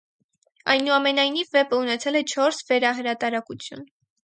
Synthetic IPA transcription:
ɑ̰jnuɑmɛnɑjnivːɛpəunɛt͡sʰɛlɛt͡ʃʰɔɾsvɛɾɑɦəɾɑt̪ɑɾɑkut͡sʰjṵn

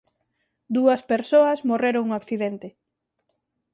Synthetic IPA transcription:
d̪uɐspeɾsoɐsmoreɾoŋuŋakθiðent̪ɪ

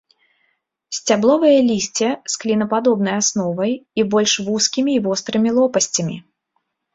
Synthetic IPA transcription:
sʲt͡sʲablˠɔvɨjɐlʲisʲt͡sʲɛsklʲinɐpad̪ɔbnɐjasnɔvɐjibɔlʲʂvuskʲimʲiːvɔst̪ɾɨmʲilˠɔpɐsʲt͡sʲɐmʲḭ

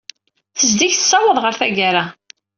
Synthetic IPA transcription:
θəzd̪içθə̥sːɑwəðˤʁəɾθæɡaɾa

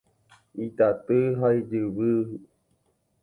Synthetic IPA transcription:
it̪at̪ɨɦaid͡ʒɨβɨɦɨ

